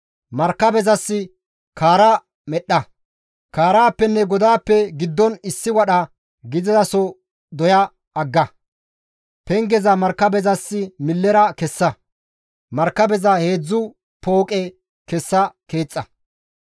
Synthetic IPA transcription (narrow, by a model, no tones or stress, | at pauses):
mɐɾkːɐbɛzɐsːɪ | kʰaːɾɐ | mɛɗːɐ | kaːɾaːpːɛnːɛɡɔd̪aːpːɛɡɪd̪ːɔnɪsːɪwɐɗɐ | ɡɪd̪ɪzɐsɔ | d̪ɔjɐː | ɡːɐ | pɛŋɡɛzɐmɐɾkːɐbɛzɐsːɪmɪlːɛɾɐkɛsːɐ | mɐɾkːɐbɛzɐhe̞ːd͡zːʊ | poːkʼɛ | kɛsːɐke̞ːt͡sʼːɐ